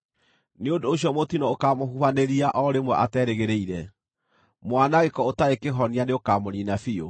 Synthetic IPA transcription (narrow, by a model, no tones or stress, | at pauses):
neondooɕ̬jɔmotinɔokamohuβaneɾiaʔɔɾemwɛʔatɛɾeɣeɾeiɾɛ | mwanaɣekɔotaekeɦɔnianeokamoninafio̰